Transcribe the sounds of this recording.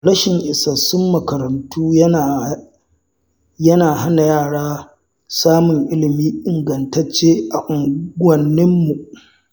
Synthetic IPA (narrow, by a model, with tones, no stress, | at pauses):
ɽɐ˦ʃɪ˨ŋʔɪ˨sɐ˨sʊ˦mːɐ˨kɐ˨ɾɐ˨ntuː˦˨ | jɐ˦naː˨ɦa˦na˨jaː˦˨ɽaː˦ | saː˦mʊ˨ŋʔɪ˦lɪ˨miː˦ʔɪ˨ŋɡɐ˨ntɐ˦t͡ʃːeː˦ʔa˨ʔʊ˨ŋɡʷɐ˨nːɪ˦mːu˨ʔ